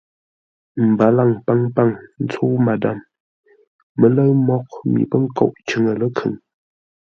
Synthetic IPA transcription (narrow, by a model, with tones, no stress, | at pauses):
m̩˨ba˨˦la˦˨ŋpa˦ŋpa˦˨ŋn̩˦t͡sʰo˦ma˨da˨m | ə˨˦lə˦ɰmɔ˦k̚mḭ˨pə˦ŋ̩˦ko̰˦˨ʔt͡ʃə˨ŋə˨lə˦kʰə̰˨ŋ